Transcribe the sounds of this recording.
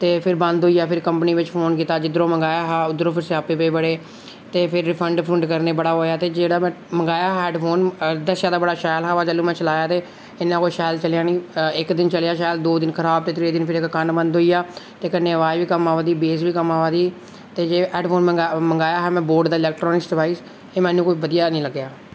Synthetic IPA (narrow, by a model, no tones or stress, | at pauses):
t̪eːpʰɪɾbə̃nd̪ɦoːiːjaːpʰɪɾkəmpniːʋɪt͡ʃpʰoːnkiːt̪aːd͡ʒɪd̪əɾõːməŋɡaːjaːɦɛːʊd̪ɾoːpʰɪɾsaːpeːpeːbəɽeː | t̪eːpʰɪɾpʰəɳɖpʰɾə̃ɳɖkəɾneːbəɽaːɦoːjaːt̪eːd͡ʒeːɽaːmɛ̃ː | məŋɡaːjaːɦɛɛːɖpʰoːnd̪əsjãːd̪aːbəɽaːʃaːjlɦaːʋaːd͡ʒəlːũːmɛ̃ːt͡ʃəlaːjaːt̪eː | ɪnːãːkoːiʃaːɪlt͡ʃəljãːnĩːɪkd̪ɪnt͡ʃəljaːʃaːjəld̪oːd̪ɪnkʰəɾaːb̚t̪eːt̪ɾeːd̪ɪnpʰɪɾɪkːənbənd̪ɦoːijaːt̪eːkənːeːəʋaːʋiːkəmaːʋad̪iːbeːsʋiːkəmaːʋaːd̪iː | t̪eːd͡ʒeːʔɛːɖpʰoːnməaməŋɡaːjaːɦɛːmɛ̃ːboːɾɖd̪aːɪlɛːk̚ʈɾɔːnɪksɖɪʋaːiːs | eːmɛ̃ːnːũːkoːiːbəd̪ijaːnĩːləɡjaː